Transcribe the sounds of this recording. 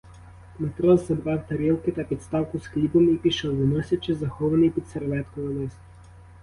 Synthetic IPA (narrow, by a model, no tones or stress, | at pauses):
mɛt̪ɾɔzzɐbɾavt̪ɐɾilˠkit̪ɛpit̪st̪awkʊsklʲibomipiʃəlˠvɔnɔsʲɛt͡ʃɛzɐxɔvɐnipit̪sɛɾvɛt̪kovɐd̪ɛsʲtʲ